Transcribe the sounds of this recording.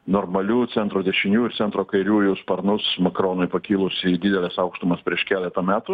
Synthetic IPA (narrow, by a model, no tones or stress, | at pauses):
noːrmɐlʲuːt̪sʲɛnt̪ɾoːd̪ʲɛʃʲɪnʲuːɪɾtsʲɛnt̪ɾoːkɐɪɾʲuːjʊspɐɾnʊsmɐkɾoːnʊɪpɐkʲiːlˠʊsʲɪd̪ʲɪd̪ʲɛlʲɛsɐʊkʃt̪ʊmɐspʲɾʲiɛʃkʲæːlʲɛt̪ɐmʲæːt̪ʊ